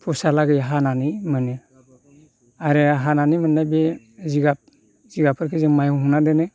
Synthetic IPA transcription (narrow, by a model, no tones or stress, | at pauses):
pʰusalaɡɯjɦananimane | aɾeɦananimɯnnabe | ziɡap̚ | ziɡapʰɯɾkʰɯzɯmajuɦunadɛnɯ